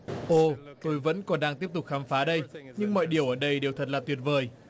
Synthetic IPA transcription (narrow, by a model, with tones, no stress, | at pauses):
ʔo˧˩t̪o˧jvə̰˧˥nkɔ˨˦nɗaː˧ŋt̪i˦˥əp̚t̪ʊ˨˩k͡p̚xaː˨˦mfaː˨˦ɗə˧jɲɨ˧ŋmɔ̰˧˨jɗi˨˩əwʔəː˧˩ɗə˧jɗe˨˩wt̪ʰə˨˩t̚laː˨˩t̪wət̚vəː˨˩j